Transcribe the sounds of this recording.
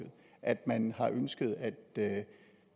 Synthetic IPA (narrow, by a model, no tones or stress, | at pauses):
ð̩ˠʔæd̥mænhɑ̈ʔønsɡ̥əð̞ˠæd̥̚ø